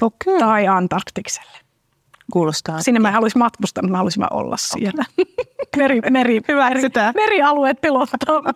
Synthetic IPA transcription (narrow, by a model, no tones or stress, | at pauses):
fokːyt̪ɑiɑnt̪ɑrkt̪ikse̥lːe̥ | kuːlost̪ɑːsinːemæhɑlusimmɑt̪kust̪ɑnut̪mæhɑlusimːɑ̰ʔo̰lːɑ̰ssḭelːæ | merimerihyʋæiit̪æmeriɑlueːt̪̚pilot̪ːɑːm